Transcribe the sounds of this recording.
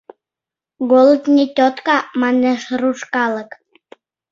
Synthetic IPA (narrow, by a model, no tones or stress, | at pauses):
ɡolˠət̪nʲetʲot̪kɑmɑneʃruʃkɑlə̆k